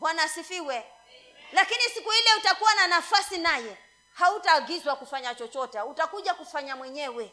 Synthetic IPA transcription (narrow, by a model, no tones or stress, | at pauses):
ɓwanasifiwɛ | lakinisikuhilɛutakuwananafasinajɛ | hautaːɡizwakufaɲat͡ʃɔt͡ʃɔtɛutakuʄakufaɲamwɛɲɛwɛ